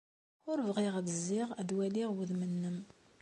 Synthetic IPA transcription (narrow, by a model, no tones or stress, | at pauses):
ʊɾəvʁiʁðəzːɪʁæd̪wæliʁwəðmənːəm